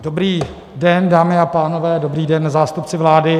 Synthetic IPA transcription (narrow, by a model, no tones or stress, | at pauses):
dobɾiː | dɛndaːmɪapaːno̞vɛːdo̞bɾiːdɛnzaːst̪up̚t͡sɪvlaːdɪ